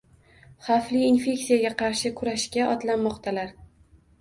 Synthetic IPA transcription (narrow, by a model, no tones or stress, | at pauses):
χɑfliːnfʲe̞kʲsijaɡʲaqʰɑɾʃɪkʰʊɾaʃkʲaʔɒt̪lanmɒqt̪ʰalaɾ